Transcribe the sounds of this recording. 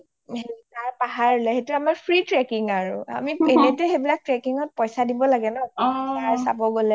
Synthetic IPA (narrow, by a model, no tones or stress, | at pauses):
hetaɹpaɦaɹlɛɦetuamaɹpʰɹitɹɛkiŋaɹʊa̰mienɛtɛɦejbilak̚tɹɛkiŋɔt̚pɔjsadibɔlaɡɛnɔktaɹsa̰bɔɡolɛ